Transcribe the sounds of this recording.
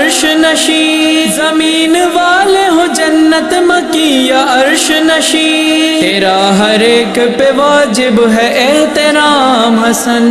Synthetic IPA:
ɾʃnɐʃiː | zɐmiːnʋaːleɦõd͡ʒɐnːɐt̪mɐkiːjaɐɾʃ | nɐʃiː | eːɾaːɦɐɾeːkpeʋaːd͡ʒɪbɦɛʔeɦt̪ɪɾaːmɦɐsɐn

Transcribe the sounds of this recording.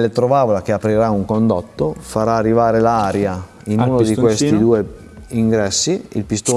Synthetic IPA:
let̪ɾovaːvolak̟eapɾiɾauŋkond̪ot̪ːofaɾaːrːivaːɾelaːɾja | inuːnod̪iwest̪id̪uːe | iŋɡɾɛsːiḭlpist̪oː

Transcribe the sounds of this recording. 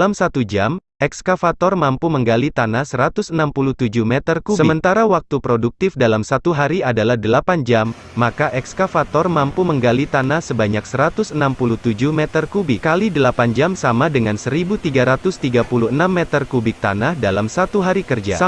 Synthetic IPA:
lamsat̪ud͡ʒam | ɛkskafat̪ɔrmampuməŋɡalit̪anahsəɾat̪ʊsənampuluht̪ud͡ʒumɛt̪ərkusəmənt̪aɾawak̚t̪upɾoduk̚t̪ɪfdalamsat̪uɦaɾiadalahdəlapand͡ʒamː | akaʔɛkskafat̪ɔrmampuməŋɡalit̪anahsəbaɲaksəɾat̪ʊsənampuluht̪ud͡ʒuhmɛt̪ərkubɪkkalidəlapand͡ʒamsamadəŋansəɾibut̪iɡaɾat̪ʊst̪iɡapuluənamːɛt̪ərkubɪk̚t̪a̰nahdalamsat̪uɦaɾikərd͡ʒa̰

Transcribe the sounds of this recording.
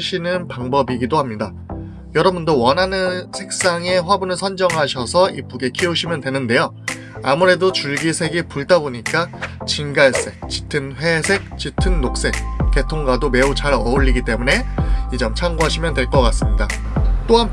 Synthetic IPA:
ɕʰinɯnpaŋbʌbiɡidoɦhamɲida | jʌɾʌbundowʌnɦanɯnsʰe̞k̚s͈aŋe̞ɸwabunɯɭsʰʌnd͡ʑʌŋɦaɕʰʌsʰʌip͈uɡe̞kʰiuɕʰimjʌndwe̞nɯnde̞jo | amuɾe̞dot͡ɕuɭɡisʰe̞ɡipuɭt͈aboɲik͈at͡ɕinɡaɭs͈e̞k̚t͡ɕi̥tʰɯnɸwe̞sʰe̞k̚t͡ɕitʰɯnːok̚s͈e̞k̚k͈e̞tʰoŋɡwadome̞ut͡ɕaɾʌuʎːiɡit͈e̞mune̞id͡ʑʌmt͡ɕʰaŋɡoɦaɕʰimjʌndwe̞ɭk͈ʌk͈as͈ɯmɲida | t͈oɦan

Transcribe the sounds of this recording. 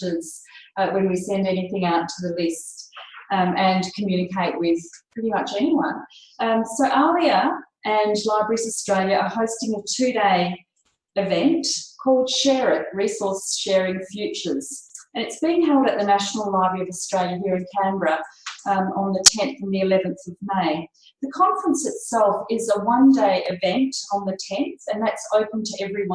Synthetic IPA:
əz̥wɨ̃nwisɛ̃ndɛniθɪ̃ŋaʊtʰəðɨlɪst | ɨ̃nkʰmjʉñɨkʰeɪʔ̚wɪð̥pʰɹ̥ɪɾimʌt͡ʃɛniwʌ̃nsoʊʔɜlˠiəʔɨ̃nlaɪbɹisɨstɹ̥eɪlˠjɨʔəhəʊstɪ̃ŋʌv̥tʰʉɾeɪ | ɨvɛ̃ntkʰɔlˠd̥ʃɛɹɨt̚ɹisɔɹsʃɛɹɪ̃ŋfjʉt͡ʃə˞z̥ɨ̃nɨtsb̥iɪ̃ŋhɛlˠɾɨt̪̚ðɨnæʃn̩l̩ˠlaɪbɹiʌvəstɹ̥eɪlˠjɨɦiɹɨ̃nkʰæ̃mbɹə | ə̃nðɨtʰɛ̃nθə̃n̩ðiɨlɛvɨ̃nθʌvmeɪ | ðɨkʰɑ̃ɱfɹə̃nsɨtsɛlˠfɪzəwʌ̃ndeɪʔɪvɛ̃ntn̩ðɨtʰɛ̃nθɨ̃nðætsəʊpn̩tʰɨʔɛvɹiwʌ̃n

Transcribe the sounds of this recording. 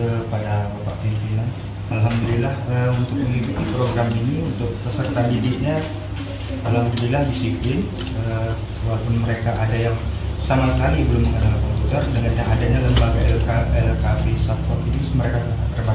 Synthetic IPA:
əpadabapaʔpinfilan | alɦamd̪ulilahəunt̪ʊk̚məniduk̪ipɾoɡɾaminiunt̪ʊk̚pəsərt̪andidɪʔ̚ɲa | alhamd̪ulilahdisiplɪn | ə | walapʊnməɾekaʔadajaŋsamasəkalibəlʊməŋənalkɔmput̪ərdəŋanjaŋadaɲaləmbaɡaɛlkaʔɛlkafisapɔk̚it̪iʊsməɾekasaŋat̪ːərba

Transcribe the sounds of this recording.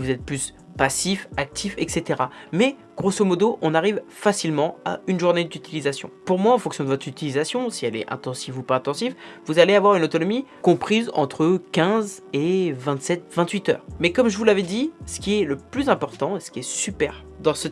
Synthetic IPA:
vuzɛt̪̚plys | pasifak̚t̪ʰifɛkset̪eʁamɛ | ɡ̥ʁosomɔd̪oʔɔ̃naʁivfasilmɑ̃a̰ynʒuʁned̪yt̪ilizasjɔ̰̃puʁmwaɑ̃fɔ̃ŋksjɔ̃d̪əvɔt̪χyt̪ilizasjɔ̃siɛlɛ̰ʔɛ̰̃t̪ɑ̃sivupaɛ̃t̪ɑ̃sifvuzaleavwaʁynot̪ɔnɔmikɔ̃pχizɑ̰̃t̪χəkʲɛ̃zevɛ̃t̪sɛt̪vɛ̃t̪ɥit̪œ̰ːʁmɛkɔmʒəvulavɛd̪isə̥kʲiɛləplyzɛ̃pɔʁt̪ɑ̃esə̥kʲiɛsypɛʁ | d̪ɑ̃sə

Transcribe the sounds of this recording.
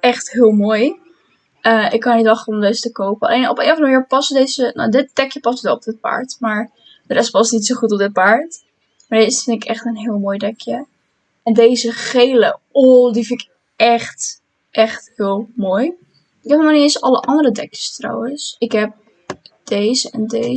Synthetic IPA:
ʔɛχtɦɪːlˠmoːj | əʔɪkːɑnnitɑχəɔmdezətəkowpəɑ̰lʔejnɔpḛːnəfɑnəməniːɹpɑsədeːzəno̰dɪt̚d̥ɛkjəpɑsətɛlˠɔp̚dɪt̚pa̰ɹtmaːɹ | d̥əɾɛspɑstnitsowχutɔp̚dɪt̚paɹt | maːɹdesfɪnɪkʰɛχtənɦɪːlˠmoːjdɛkʰjə | ɛndejzəχejlə̰ɔdifɪnɪk | ɛχt | ʔɛχthɪːlˠmoːj | ɪkɦɛpəmanisəɑləʔɑndəɾədɛkjə̥stra̰wənsɪkɦɛp̚ | d̥ejzəɛnde

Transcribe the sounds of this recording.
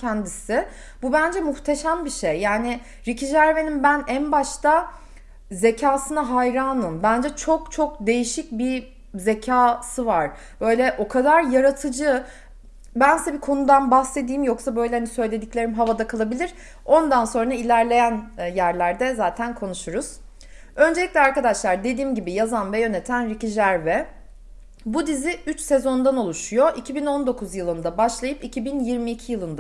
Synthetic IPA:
ɛnd̪isɪ | bubænd͡ʒɛmuxt̪ʰe̞ʃambiʃejːaːnɪ | ɾicʰid͡ʒæɾve̞nimbænænbaʃt̪ʰa | ze̞cʰaːsɯnaɦajɾaːnɯmbænd͡ʒɛt͡ʃʰok̚t͡ʃʰo̞k̚d̪e̞jiʃic̚bi | ze̞cʰaːsɯvaɾ̥ | b̥ø̞jlʲɛʔo̞kʰad̪aɾjaɾat̪ʰɯd͡ʒɯ | bænsɛbikʰo̞nud̪anbaxse̞d̪iːmjoksabø̞jlʲɛhanisø̞jlʲe̞d̪iclʲe̞ɾimɦavad̪akʰalˠabilʲiɾ̥ | o̞nd̪anso̞nɾailʲæɾlʲe̞jænjæɾlʲæɾd̪ɛzaːt̪ʰænkʰo̞nuʃuɾuz̥ | ø̞nd͡ʒeicʲlʲɛaɾkad̪aʃlˠaɾd̪e̞d̪iːmɟibijazanvɛjø̞ne̞t̪ʰænɾiciʒæɾvɛ | bud̪iziyt͡ʃse̞zo̞nd̪ano̞lˠuʃujo̞ʔicʰibino̞nd̪o̞kʰuzjɯlˠɯnd̪abaʃlˠajɯpicʰibinjiɾmiːcʰijɯlˠɯnd̪a

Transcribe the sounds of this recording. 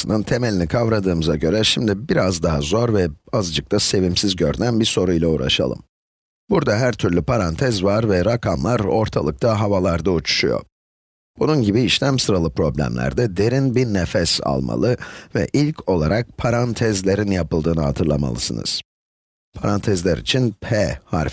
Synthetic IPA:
ɯnɯnt̪ʰe̞melʲinikʰavɾad̪ɯːmɯzaɟø̞ɾɛʃimd̪ibiɾazd̪aɦazo̞ɾvɛazd͡ʒɯk̚t̪ʰase̞vimsizɟøɾynænbiɾso̞ɾujlʲˠaṵɾa̰ʃa̰lˠɯ̰m | buɾd̪aɦæɾt̪ʰyɾlʲypʰaɾant̪ʰɛzvaɾvɛɾakʰamlˠaɾo̞ɾt̪ʰalˠɯk̚t̪ʰaɦavalˠaɾd̪aut͡ʃʰu̥ʃujo̰ | b̥ununɟibiːʃlʲæmsɯɾalˠɯpɾo̞blʲæ̰mlʲæ̰ɾd̪ɛd̪e̞ɾinbiɾnefɛsa̰lˠma̰lˠɯvɛ̰ʔilʲcʰo̞lˠaɾak̚pʰaɾant̪ʰɛzlʲe̞ɾinjapɯlˠd̪ɯːnɯhat̪ʰɯɾlˠama̰lˠɯsɯnɯ̰z̥ | pʰaɾant̪ʰɛzlʲæɾḭt͡ʃʰinpʰɛha̰ɾf

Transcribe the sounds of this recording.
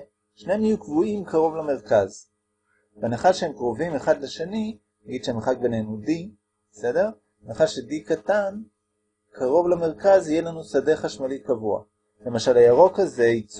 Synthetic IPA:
ʃnemijukvuimkʰaʁo̞vlameʁkaz | banaχaʃehemkʁovimeχad̪leʃeni | naɡid̥ʃemeχak̚be̞nenudi | besede̞ʁ | naχaʃedikatan | kʰaʁo̞vlameʁkazijelanusadeχaʃmalikavua̰ | lemaʃalajaʁo̞kazeit͡s

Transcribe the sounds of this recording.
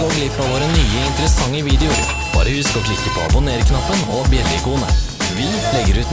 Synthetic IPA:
oɡlɪpɑʋoːɾənyːəɪnt̪əɾəsɑŋːəʋiːd̪ɛʊɾ | b̥ɑ̰ːɾəhʉskɔklɪkːəpʰɔɑ̰bʊneːɾəknɑpːənɔbjɛlːəɪkuːnə̰ | ʋɪ | lɛɡːəɾʉːt̪

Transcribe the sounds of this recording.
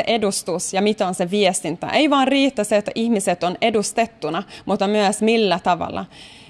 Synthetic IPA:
eʔedust̪usjɑmit̪onseʋiɛst̪int̪ːɑ̰ʔejʋɑːrriːt̪ːɑseːt̪ːæʔihmiset̪ːonedust̪et̪ːunɑmʔuːt̪ːɑmyæsmilːæt̪ɑʋɑ̰lːɑ̰

